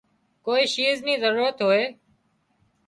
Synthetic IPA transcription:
koːiːʃiːzniːzəɾuːɾət̪ɦoːeː

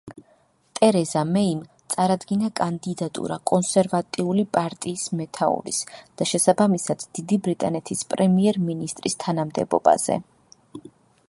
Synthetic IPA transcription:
t̪ʼɛɾɛzamɛimt̪sʼaɾad̪ɡinakʼand̪id̪at̪ʼṵɾakʼɔnsɛɾvat̪ʼiulipʼaɾt̪ʼiːsmɛt̪ʰaṵɾḭsd̪̥aʃɛsabamisad̪̥ːid̪ibɾit̪ʼanɛt̪ʰispʼɾɛmiɛɾminist̪ʼɾist̪ʰanamd̪ɛ̰bɔ̰ba̰z̥ɛ̰

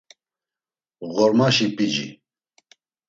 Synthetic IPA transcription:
ɣɔɾmaʃipʼid͡ʒḭ

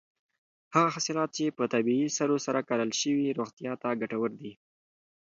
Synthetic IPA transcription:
haɣaɦasilɑt̪̚t͡ʃepət̪abiisaɾosaɾakɑɾəlʃəwiɾoxt̪jɑt̪aɡaʈawəɾd̪i

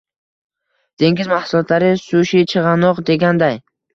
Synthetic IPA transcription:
d̪̥e̞ŋɡʲɪzmahsʊlˠɒt̪laɾɪsuʃit͡ʃʰɨʁɑnɒqd̪e̞ɡʲand̪aj

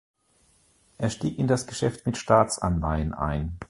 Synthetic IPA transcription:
ʔeːɐʃtiːkɪndasɡ̥əʃɛftmɪtʃtaːt͡sʔa̰nlaɪənʔa̰ɪn

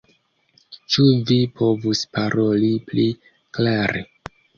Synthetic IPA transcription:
t͡ʃuvipʰo̞vuspaɾʔo̞lipli | klaɾʔḛ

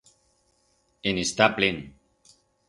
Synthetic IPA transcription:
enest̪aplen

